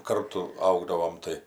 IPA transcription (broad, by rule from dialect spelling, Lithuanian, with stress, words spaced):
ˈkɐrtʊ ˈɐʊɡdɐʋoːm ˈtɐɪ